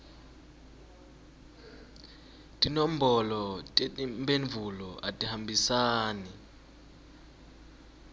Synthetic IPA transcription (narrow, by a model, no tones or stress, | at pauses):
tʼinom̩bɔlɔtʼeimbʱenvʱulɔʔa̰tʼihambʱisaːnɛ